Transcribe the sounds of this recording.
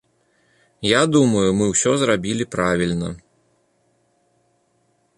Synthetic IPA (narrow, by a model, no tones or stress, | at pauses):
jad̪umɐjumɨwsʲɔzɾabʲilʲipɾavʲilʲnɐ